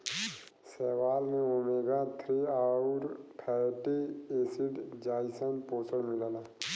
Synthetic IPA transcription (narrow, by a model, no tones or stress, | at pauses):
sɛːʋaːlnẽomeːɡat̪ʰɾiaːuɾpʰɛːʈeeːsiɖd͡ʒaːisənpoːsəɾmɪlala